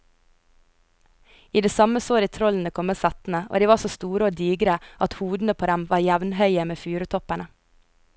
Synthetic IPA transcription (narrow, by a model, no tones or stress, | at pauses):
iːd̪eːsɑməsoːɾiːt̪ʰɾɔln̩əkʰɔmːeːsɑt̪n̩əʔo̰ːd̪iːʋɑːsoːst̪uːɾəoːd̪iːɡɾəʔɑt̪huːd̪n̩əpʰoːd̪ɛmʋɑːɾjæʋn̩hœʏəmeːfʉːɾət̪ʰɔpæɳə